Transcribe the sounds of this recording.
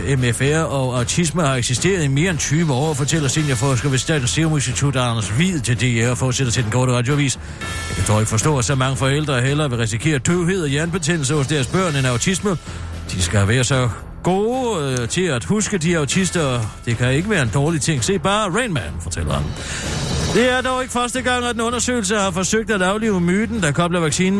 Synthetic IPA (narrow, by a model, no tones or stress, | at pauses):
emefæɐɒ̽ɑ̈ʊt͡sʰisməhɑ̈eɡ̥sisd̥e̝̰ːɐð̞̩ˠime̝ːɐent͡sʰyːʋəɒ̰ɒfɒ̽t͡sʰel̰ɐsinjɑfɒsɡ̥æʋesd̥ɛæ̰ːd̥nse̝ʊme̝nsd̥it͡sʰud̥ɑnɐsʋḭð̰ˠt͡sʰe̝ld̥eɒfɒːd̥sed̥ɐt͡sʰeld̥enɡ̥o̰ːɾəʁɑ̈d̥joʋḭːs | jɑkʰæt͡sʰɒ̰e̝ɡ̥əfɒ̽sd̥ɔ̰ːæsɒmɑ̈ŋəfɒ̽el̰d̥ʁɐɦel̰ɐʋe̝ʁɛsikʰe̝̰ːɐd̥øʊɦe̝ð̞̰ˠɒjæɐnb̥e̝t͡sʰenl̩s̬ɐhɒ̽sd̥eɐsb̥ɶɐ̰nenɑ̈ʊt͡sʰismə | d̥isɡ̥ææʋæːɐsɒ̽ | ɡ̥o̝ːt͡sʰe̝æd̥husɡ̥əd̥iɑ̈ʊt͡sʰisd̥ɐd̥e̝kʰæe̝ɡ̥əʋæːɐe̝nd̥ɒːlit͡sʰe̝ŋ̰se̝̰ːb̥ɑ̈ːʁenmænfɒ̽t͡sʰel̰ɐæ̰n | d̥e̝æɐd̥ɒʊe̝ɡ̥əfɶɐsd̥əɡ̥ɑ̈ŋ̰æd̥enɔ̽nɐsø̰ːɪl̩səhɑ̈fɒ̽søɡ̥̚d̥æd̥ɑ̈ʊle̝̰ːʊəmyːd̥n̩d̥ɑ̈kʰɒ̽b̥lɐʋɑ̈ɡ̥siːn